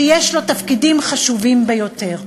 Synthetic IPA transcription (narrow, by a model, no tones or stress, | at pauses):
jeʃlo̞t̪afkidimχaʃuvimbejo̞t̪e̞ʁ